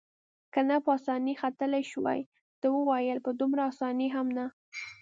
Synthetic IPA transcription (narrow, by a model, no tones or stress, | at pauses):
kanapəɑsɑnixat̪əlajʃwa̰j | d̪̥əwəwajəlpəd̪umɾaːsɑniɦamna